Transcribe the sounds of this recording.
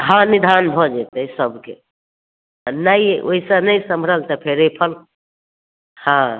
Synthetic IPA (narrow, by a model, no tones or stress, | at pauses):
ɦãnid̪ʱanbʱɔd͡ʒet̪əsəbʱkḛ | najio̰isanəjsəmbʱɾəlt̪əpʰeɾepʰəl | hã